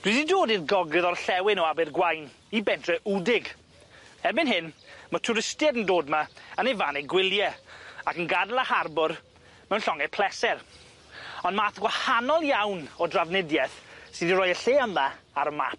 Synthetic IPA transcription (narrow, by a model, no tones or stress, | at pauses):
d̥wiːdidoːdirɡɔɡrɨðɔrɬɛwɪnɔabɪrɡwajn | ibɛntʰrɛʔudɪɡ | ɛrbɪnɦɪnmətʰʊɾɪstjɛdəndoːdmaənejvaːneɡwɪlˠjɛakənɡadəlˠaharbʊr | mɛwnɬɔŋɛpʰl̥ˠɛsɛr | ɔndmaːθɡwahanɔlˠjawnɔdravnɪdjɛθsɨðirɔjəɬeːəmːa | aɾəma̰p̚